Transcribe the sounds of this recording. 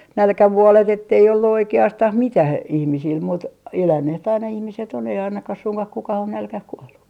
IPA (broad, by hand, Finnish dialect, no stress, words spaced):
nælkæʋuolet etːei olːu oikeɑstɑh mitæh ihmisil muːt elænːeht ɑinɑ ihmiset on ei ɑinɑkɑh suŋkɑh kukɑh on nælkæh kuolːu